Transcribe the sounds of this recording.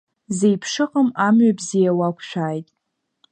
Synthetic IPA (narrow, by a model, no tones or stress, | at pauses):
zejpʰʂɨqʼəmamɥabzijawakʷʰʃᶣaːjtʼ